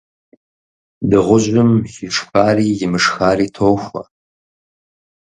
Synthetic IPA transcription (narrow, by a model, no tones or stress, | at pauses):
dɨʁʷʊʒʷʼʊmxiʂxaːriːjɪmɨʂxaːriːtʰowxʷɐ̰